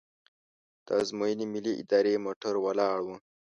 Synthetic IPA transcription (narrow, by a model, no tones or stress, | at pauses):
d̪̥əzmoinimiliʔḭd̪ɑːɾemoːʈʰəɾwɐlɑːɽwə̃